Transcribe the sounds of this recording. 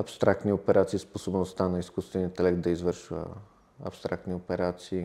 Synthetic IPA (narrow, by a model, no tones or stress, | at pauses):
ɐpst̪ɾakt̪niopɛɾat̪sisposobnost̪anɐiskust̪vɛnint̪ɛlɛk̚t̪̚d̪ɐizvɤɾʃvə̰ | ɐ̰pst̪ɾak̚t̪niopɛɾat̪siː